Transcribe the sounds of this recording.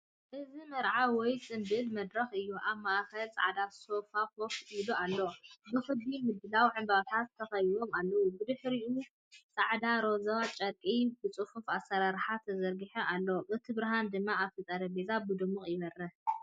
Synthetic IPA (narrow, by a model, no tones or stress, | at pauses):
ʔɨzimɐɾʕawɔjt͡sʼɨnbɨlmɐd̪ɾɐxɨjːuʔaβmaʔxɐlt͡sʼa̰ʕd̪aso̞fafokilualːobɨxɨbimɨd̪ɨlawʕɨmbaβt̪ʰat̪tʰːɐxɐjdo̞malːɐwubɨd̪ɨħɾiʔu | t͡sʼaʕd̪aɾo̞zɐβat͡ʃʼɐkʼibɨt͡sʼɨfufasɐɾaɾħat̪ʰɐzɐɾɡɨħɐʔalːoʔɨt̪ʰibɾaɦand̪ɨmːaaβfɐt͡sʼaɾɐbezabɨd̪ɨmuχʼjɪβɐrɐ